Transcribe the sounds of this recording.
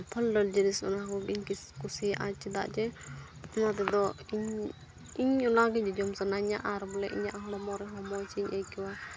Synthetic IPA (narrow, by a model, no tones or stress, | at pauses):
pʰəldəld͡ʒənisɔ̰nakɔɡiɲkiskusɛʔa̰t͡ʃid̪a̰ʔd͡ʒɛ | ɔnat̪ɛd̪ɔiɲ | iɲɔnaɡɛd͡ʒɔd͡ʒɔmsanaɲa̰ʔaɾbɔlɛʔiɲaʔaɦlɔmɔɾɛɦɔmɔt͡ʃiɲʔajkɛwa